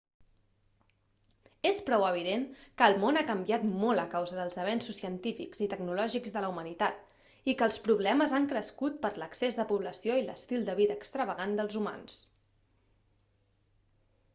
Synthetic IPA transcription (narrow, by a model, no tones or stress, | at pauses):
espɾɔwəβ̞iðeŋkəːlˠmonakəmbiat̪molˠəkawzəðəlˠzəβɛnsusiənt̪ifḭkz̥it̪əɡnulɔʒiɡzðələumənit̪at̪̚ | ikəːlˠspɾuβ̞lɛməzaŋkɾəskut̪̚pəɾləksezðəpuβləsijoilə̰st̪ilˠd̪əβiðəːkst̪ɾəβəɣand̪əlˠzuma̰ns